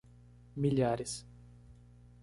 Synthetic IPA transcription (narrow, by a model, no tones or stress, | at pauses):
milʲjaɾis